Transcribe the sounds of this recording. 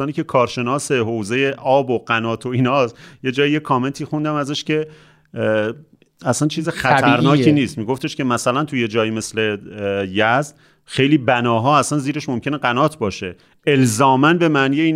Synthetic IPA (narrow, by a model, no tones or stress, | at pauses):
ɒːniːcʲʰe̞kʰɒːɾʃe̞nɒːse̞ɦowze̞jeʔɒːboɢænɒːt̪ʰo̞iːnɒːsje̞d͡ʒɒːjije̞kʰɒːme̞nt̪ʰiːxund̪æmæzæʃce̞ | æsænt͡ʃʰiːzexæɾnɒːkʰiːniːst̪miːɡo̞ft̪ʰe̞ʃkʲe̞mæsælænt̪ʰuje̞d͡ʒɒːjiːme̞sle̞jæzd̪̥ | xe̞jliːbænɒːɦɒːæsænziːɾe̞ʃmo̞mcʰʲe̞neɢænɒːt̪ʰbɒːʃe̞ | elzɒːmænbe̞mæːnijeiːn